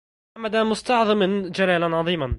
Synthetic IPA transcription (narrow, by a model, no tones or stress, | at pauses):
mad̪amʊst̪ɑʕðˤɨmɪnd͡ʒalaːlanʕɑðˤiːman